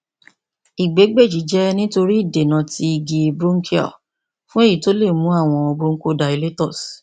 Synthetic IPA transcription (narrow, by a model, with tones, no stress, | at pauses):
i˨ɡ͡be˨˦ɡ͡be˦˨d͡ʒi˨˦d͡ʒɛ˦nĩ˦to˧ɾi˦i˦˨de˨nã˧˦ti˧˦i˧ɡi˧bɾu˦ŋ̩˦kʰi˦ɔ̰˦˨ | fũ˦e˦˨ji˨to˨˦le˦˨mũ˨˦a˦˨w̃ɔ̃˧ɔ˧bo˦ŋ̩˦ko˦da˨i˧le˦tɔ˦˨s